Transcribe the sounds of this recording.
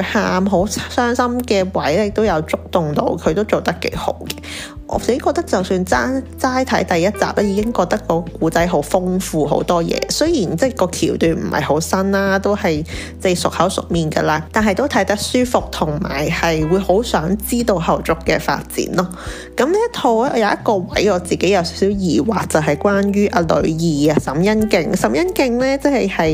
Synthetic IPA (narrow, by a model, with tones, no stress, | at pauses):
haː˧mɦo˨˥wssœː˥ŋsɐ˥mkɛː˧wɐ˨˥jɛ˥jɪ˨k̚t̪o˥wjɐ˨˧wt͡sʊ˥k̚t̪ʊ˨ŋt̪o̰˧wkʰɵ˨˧ɥt̪o˥wt͡so˨wt̪ɐ˥kːḛ˨˥jho̰˨˥wkɛ˧ | ʔɔ̰ː˨˧se˨˥kɔː˧k̚t̪ɐ˥k̚t͡sɐ˨wsyː˧nt͡saː˥t͡saː˥jt̪ʰɐ̰˨˥jt̪ɐ˨jːɐ˥t̚t͡sa̰ː˨p̚lɛ˥jiː˨˧kɪ˥ŋkɔː˧k̚t̪ɐ˥kːɔː˧kuː˨˥t͡sɐ˨˥jɦo˨˥wfʊ˥ŋfuː˨ɦo̰˨˥wt̪ɔː˥jɛ̰ː˧sɵ˥jiː˨˩nt͡sɛ˥˩kɔː˧kʰiː˨˩wt̪yː˨˩nm̩˨˩hɐ̰˨jho˨˥wsɐ˥naː˥t̪o˥whɐ˨j | t͡sɛ˥˩jsʊ˨k̚hɐ˨˥wsʊ̰˨˩k̚miː˨nɡɐ̰˧laː˧t̪aː˨nɦɐ˨˩jt̪wt̪ʰɐ˨˥jt̪ɐ˥k̚syː˥fʊ˨k̚t̪ʰʊ˨˩ŋma̰ː˨˩jhɐ˨jwuː˨˧jho˨˥wsœː˨˧˥ŋt͡siː˥t̪o˧whɐ˨wt͡sʊ˨kːɛ̰ː˧fa̰ː˧t̚t͡sḭː˨˥nlɔ˥ | kɐ˨˧˥mliː˥ɐ˥t̪ʰo˧wɛ˥˧jɐ˨˧wjɐ˥t̚kɔː˧wɐ˨˥jɔː˨˧t͡siː˨˩ke˨˥jɐ˨˧wsi˨˦˥wsiː˨˥wjiː˨˩waː˨k̚t͡sɐ˨wɦɐ˨jkʷaː˥njyː˥ʔɐː˧lɵ̰˨˧˥jiː˨ɐ˨˧sɐ˨˩mjɐ˥nkɪ˧ŋsɐ˨˥mjɐ˥nkɪ˧ŋlɛː˥t͡sɛ˥hɐ˨jhɐ˨j